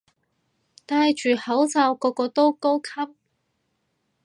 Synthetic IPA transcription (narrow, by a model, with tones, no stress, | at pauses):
t̪aː˧jt͡ʃyː˨˩hɐ˨˥wt͡sɐ˧wkɔː˧kɔː˧t̪o˥wko˥wkʰɐ˥p̚